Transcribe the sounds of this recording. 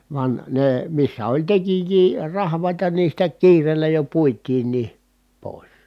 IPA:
ʋɑn neˑ misːæ olʲ tekijˑiː rɑhʋˑɑˑitɑ ni sitæ kiːreːlːæ jo puitˑiːnˑiː poˑis

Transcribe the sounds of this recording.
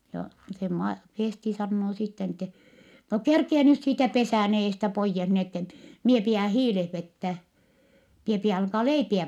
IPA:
jɑ se mɑ feˑsti sɑnːoː sitːe ni tːɛ no kerkie nyt siːtæ pesæˑn eːstæ poijːes ni etːɛ mie piæ hiːleh ʋetːæː mie piæ ɑlkɑː leipiæ

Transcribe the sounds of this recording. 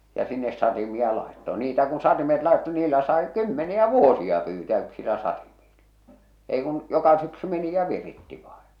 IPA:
jɑ sinːes sɑtimiɑ lɑˑetːo niːtæ kun sɑtimet lɑˑetːo niːlːæ sɑˑe kymːeniæ ʋuosiɑ pyːtæː yksilæ sɑtimiːl̥ːɑ̥ ei kun jokɑ syksy meni jɑ ʋiritːi ʋɑe̥n̥

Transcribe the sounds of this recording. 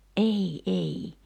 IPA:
ʔei ʔei

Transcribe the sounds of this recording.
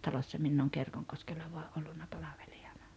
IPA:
tɑlosːɑ minː oːŋ kerkoŋkoskelːɑ ʋoɑʔ ʔolːunːɑ pɑlɑʋel̥i̥ɑ̥n̥ɑ̥

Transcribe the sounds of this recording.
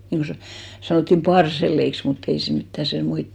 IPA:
niŋko sɑ sɑnotːim pɑrselˑeiks mutː ei se mitːæ se muit

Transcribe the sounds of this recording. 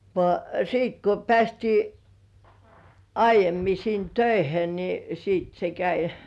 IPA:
ʋŏɑˑ siːt ko pĕæˑstiː ɑijˑemːi sin tøihe ni siːt se kæi

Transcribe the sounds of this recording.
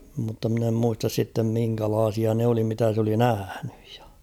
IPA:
mutːɑ mɪ̆n em muistɑs sitːem miŋkælɑːsiɑ ne oli mitæ s oli næhæn̥ẙj̊ j̊ɑ̥

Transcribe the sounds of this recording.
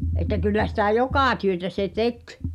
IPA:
etˑæ kylːæ sitæˑ jokɑˑ tyøtæ se tek

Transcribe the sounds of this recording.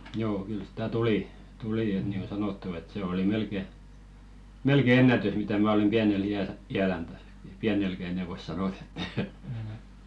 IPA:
joː kyl sĭ̥tæ tuliˑ tuliˑ et niːŋɡ̊o sɑnotːu et se oli melke melke enːætys mitæ mæ olem b̥iænel iæl iælæn tæs piænelkæ enɛ ʋois sɑnot etːæ

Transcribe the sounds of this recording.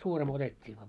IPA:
suːrimo otetʲːiː ʋɑː

